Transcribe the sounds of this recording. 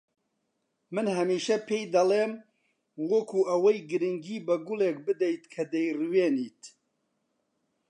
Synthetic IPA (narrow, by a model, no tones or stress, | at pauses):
mɨnɦɐmiːʃɐpʰeːjd̪ɐleːm | wokʰuʔɐwɐjɡɨɾɨŋɡiːbɐɡʊleːk̚bɨd̪ejt̪kʰɐd̪ejrɨweːniːt̪